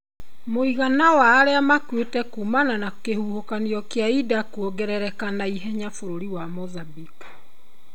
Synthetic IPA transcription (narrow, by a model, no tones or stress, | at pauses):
moiɣanawaːɾeamakwetɛkumananakehuhokaniɔkeaidakuoɡɛɾɛɾɛkanaiɦɛɲafoɾoɾiwamoðabiku̥